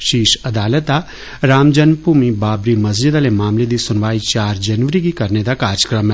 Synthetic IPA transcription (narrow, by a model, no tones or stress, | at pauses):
ʃiːʃɐd̪aːlət̪a | ɾaːmd͡ʒənpuːmibaːbɾimɐs̬d͡ʒɪd̪aːlemaːmled̪isʊnʋaːit͡ʃaːɾd͡ʒɐnʋəɾikikɐɾned̪akaːɾd͡ʒəkɾəm